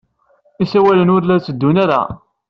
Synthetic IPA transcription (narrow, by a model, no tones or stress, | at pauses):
isæwælənʊɾlæt͡sːəd̪ːunaɾa̰